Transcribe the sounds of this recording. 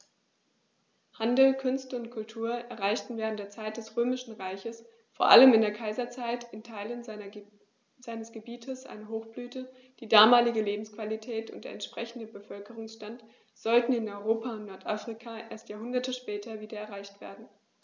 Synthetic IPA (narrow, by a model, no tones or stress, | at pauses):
handl̩kʰʏnstəʊntkʰʊltʰuːɐʔɛɐʁaɪçtn̩vɛːʁ̞ntd̥eːɐt͡saɪt̚d̥ɛsʁøːmɪʃn̩ʁaɪçəs | foːɐʔa̰ləmɪndeːɐkʰaɪzɐt͡saɪtɪntʰaɪlən | z̥aɪnəsɡ̥əbiːtʰəsʔa̰ɪnəɦoːxb̥lyːtə | d̥iːdaːmaːlɪɡəleːbm̩skv̥alitʰɛːtʊ̰ntd̥eːɐɛnʃpʁ̥ɛçn̩dəbəfœlkəʁʊŋsʃtant | z̥ɔltn̩ɪnɔʏʁoːpʰaʊntnɔɐtʔafʁ̥ikʰaːʔeːɐstjaːɦʊndɐtəʃpɛːtʰɐviːdɐɛɐʁaɪçtv̥ḛːɐdn̩